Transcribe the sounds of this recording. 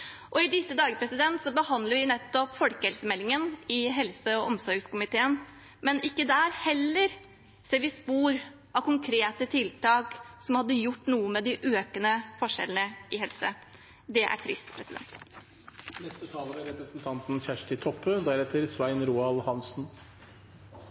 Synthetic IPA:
ʔɔɪd̪ɪsːəd̪ɑːɡəpʰɾɛsɪd̪ɛnt̪sɔbəhɑnd̪ləɾʋɪnɛt̪ːɔpfɔlkəhɛlsəmɛlːɪŋənɪɦɛlsəɔʔɔmsɔɾɡskʊmɪt̪ʰeːən | mɛnɪkːəd̪æːɾhɛlːəɾ | seːɾʋɪspuːɾ | ʔɑʋkʊŋkʰɾeːt̪ət̪ʰɪlt̪ɑːksɔmhɑd̪ːəjʊʈːnuːəmɛd̪ɪʔøːkənəfɔʂɛ̰lənəɪhɛlsə | d̪ɛʔæ̰ʈʰɾɪ̰st̪pʰɾɛsɪd̪ɛ̰nt̪ | nɛst̪ət̪ʰɑːləɾəɾɛpɾəsnt̪ʰɑnt̪n̩çæʂʈɪt̪ʰɔpːəd̪æɾɛt̪əɾsʋæɪnɾuːɑlhɑnsn̩

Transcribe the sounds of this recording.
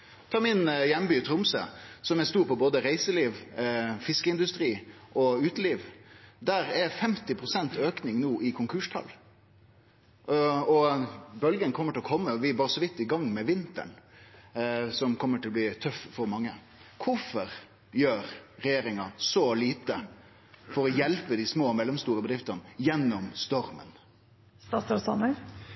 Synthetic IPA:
t̪ʰɑːmɪnjɛmːbyːt̪ʰɾʊmsə̰sɔmɛst̪uːɾpɔboːd̪əɾæɪsəliːʋfɪskəɪnd̪ʉst̪ɾiːʔɔʉːt̪əliːʋd̪æɾæɾfɛmt̪ɪpʰɾʊsɛnt̪øːknɪŋnuːʔɪkʰʊŋkʰʉːʂʈʰɑ̰l | ɔbœlɡənkʰɔmːəʈʰɪlɔkʰɔmːəɔʋɪbɑːɾəsɔʋɪt̪ːɪɡɑŋːmɛʋɪnt̪ə̰ɳ | sɔmkʰɔmːəʈʰɪlɔb̪liːt̪ʰœffɔɾmɑŋːə | kʰʊfɔɾ | jøːɾɾɛjeːɾɪŋɑsɔliːt̪ə | fɔɾɔjɛlpəd̪ɪsmoːmɛlːɛmst̪uːɾəbəd̪ɾɪft̪ənəjɛnːɔmst̪ɔɾmə̰n | st̪ɑsɑsɑnə

